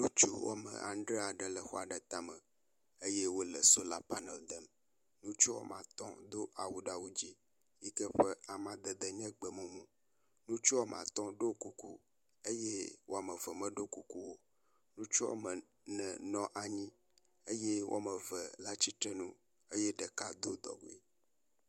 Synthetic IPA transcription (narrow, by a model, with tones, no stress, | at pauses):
nũ˦t͡ʃu˦wɔ̰˦mə̰̃˨ʔã̰˨n˦ɖɾe˦a˨ɖə˨lə˨xɔ˦a˨ɖə˨t̪a˦mə̃˨ | e˦je˦wo˦lə˨so˦la˦pa˦nɛ˨ld̪ə˨m | nũ˦t͡ʃu˦wɔ̰˦mã̰˨t̪ɔ̃˦d̪o˦ʔa˨wu˨ɖa˨wu˦d͡ʑi˦ | ji˦kɛ˦ɸə˦a˨mã˨d̪ə˨d̪ə˨ɲɛ̃˦ɡ͡bə˨mõ˨mũ˦ | nũ˦t͡ʃu˦wa˦mã̰˨t̪ɔ̃˦ɖo˦ku˨kṵ˦ | e˦je˦wo˦a˨mə˨və˨mə̃˦ɖo˦ku˦ku˦wo˦ | nũ˦t͡ʃu˦wa̰˦mə˨ | nɛ̃˨nɔ̃˦ʔa˨ɲĩ˦ | e˦je˦wʔo̰˦a˦˨mə̃˨və˨la˦t͡ɕi˦t̪ɾɛ˦nũ˦ | e˦je˦ɖə˨ka˦d̪o˦d̪ɔ̰˨ɡu˨i˨